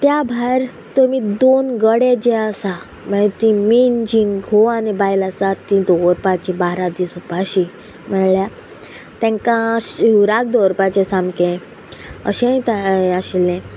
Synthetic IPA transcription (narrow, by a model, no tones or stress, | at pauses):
t̪jabʱaɾ | t̪omid̪onɡəɽed͡ʑeəsa | mət̪imind͡ʑiŋɡɦoanibajlasat̪ĩd̪oɾpat͡ɕibaɾad̪isupaɕi | mɛɭɭja | t̪ɛ̃ŋkãuɾak̚d̪oɾpat͡ɕesãmbkẽ | ə̰ɕẽĩt̪aaɕilɛ̃